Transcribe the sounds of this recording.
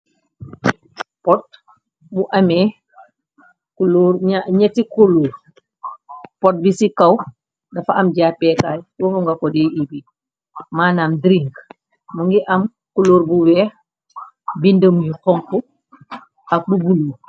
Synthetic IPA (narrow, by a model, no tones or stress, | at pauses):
pɔt̚ | buʔɐmɛ | kuluːɾɲaɲɛtikuluː | pɔt̚bisikɐw | dɐfɐɐmɟaːpɛkaːjwofuŋɡɐkɔdɛibi | maːnaːmdɾiŋk | muŋɡiʔɐm | kuluːɾbuwɛːx | bindəmjuxɔŋku | ɐk̚bubuluː